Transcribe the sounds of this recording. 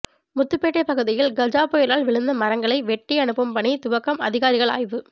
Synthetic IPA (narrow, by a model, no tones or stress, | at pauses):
mʊt̪ːɯpːeːʈːɐɪpːɐɣɯðɪjɪlɡɐd͡ʒaːpoːjɪɾaːɭʋɪɭɯnd̪ɐmɐɾɐŋɡɐɭɐɪʋɛʈːiɐɳɯpːɐmpɐɳit̪ʊʋɐkːɐmɐ̰ðɪɣaːɾɪɣɐɭa̰ːjʋɯ